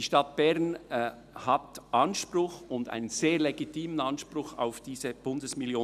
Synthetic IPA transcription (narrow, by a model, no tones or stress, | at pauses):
d̥iʃtɑt̚b̥ɛʁn | hɑtʔɑnʃpɾʊχʊnda̰ɪnənz̥eːɐleɡitiːmənɑnʃpɾʊxa̰ʊfd̥iːzəb̥ʊndəsmɪljoː